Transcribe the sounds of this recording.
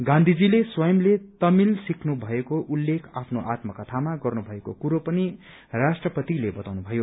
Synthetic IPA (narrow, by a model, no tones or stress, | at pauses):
ɡãnd̪ʱid͡zileswʌjʌmlet̪ʌmilsikʰnubʱʌekoʔulːekʰapʰnoʔat̪mʌkʌt̪ʰamaɡʌrnubʱʌekokuɾopʌni | rasʈrʌpʌt̪ilebʌt̪awnubʱʌjo